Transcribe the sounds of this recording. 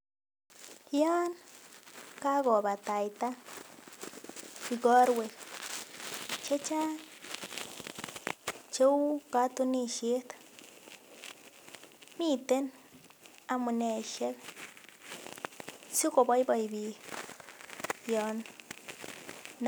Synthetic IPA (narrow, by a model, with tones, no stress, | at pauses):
ja˦n | ka˦ɡo˨ba˨t̪a˨jt̪a˦ | fi˧ɡo˦ɾwe˨k | t͡ʃe˦t͡ʃa˦ | t͡ʃe˦wka˦t̪u˦˧ni˧ʃi˦t̪ | mi˦t̪e˦n | a˧mu˧ne˨ʃe˦d̪ | su˦ko˨ba˧˦jba˧jbi˨ | jo˧n